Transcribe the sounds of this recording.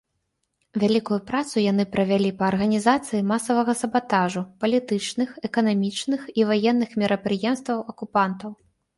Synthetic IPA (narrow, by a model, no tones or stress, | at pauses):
vʲalʲikujupɾat̪sujanɨpɾɐvʲalʲipɐːrɣɐnʲizat̪sɨjimasɐvɐɣɐsɐbat̪aʐupɐlʲit̪ɨt͡ʂnɨxɛkɐnamʲit͡ʂnɨxivajɛnːɨxmʲɛɾʔɐpɾɨjɛmst̪vɐwʔɐkupant̪ɐw